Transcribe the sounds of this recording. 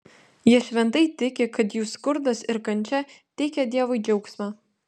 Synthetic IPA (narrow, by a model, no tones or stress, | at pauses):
jiɛʃʲʋʲɛnt̪ɐɪt̪ʲɪkʲɪkɐt̪juːskʊɾd̪osɪɾkɐnʲt͡ʃʲɛt̪ʲɛɪkʲɛd̪ʲiɛʋɐɪd͡ʒʲɛʊksmɐ